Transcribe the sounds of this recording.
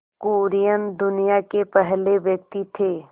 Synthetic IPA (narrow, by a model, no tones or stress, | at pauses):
kuːɾijənd̪ʊnijakepɛɦleʋjək̚t̪it̪ʰeː